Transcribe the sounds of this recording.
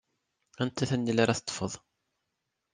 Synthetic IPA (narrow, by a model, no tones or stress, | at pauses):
ænt̪æθænːilaɾæθət̪ˤːfəðˤ